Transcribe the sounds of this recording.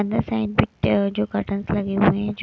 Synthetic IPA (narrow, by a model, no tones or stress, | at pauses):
ə̃nd̪əɾsaɪɖ̚bɪʈd͡ʒoːkɐʈə̃nslɐɡeɦuẽd͡ʒ